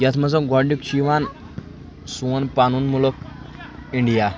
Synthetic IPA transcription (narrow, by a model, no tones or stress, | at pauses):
jat̪ʰməd͡zəɡɔɖukɕiʋan | suənpanuːnmulɔk̚ | iɳɖija